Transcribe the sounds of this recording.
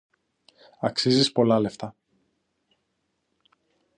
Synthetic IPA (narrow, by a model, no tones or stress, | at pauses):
ɐksizispo̞lɐle̞ft̪ɐ